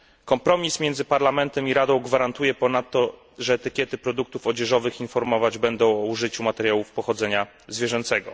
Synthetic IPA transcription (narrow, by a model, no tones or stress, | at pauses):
kɔmpɾɔmʲismʲjɛnd̪zɘpaɾlamɛnt̪ɛmiɾad̪ɔ̃w̃ɡvaɾant̪ujɛpɔnat̪ːɔ | ʐɛːt̪ɘkʲjɛt̪ɘpɾɔd̪uk̚t̪ufɔd͡ʑɛʐɔvɘxinfɔɾmɔvad͡ʑbɛnd̪ɔ̃w̃ɔuʐɘt͡ɕumat̪ɛɾʲjawufpɔxɔd̪zɛɲa | zvʲjɛʐɛnt̪sɛɡɔ̰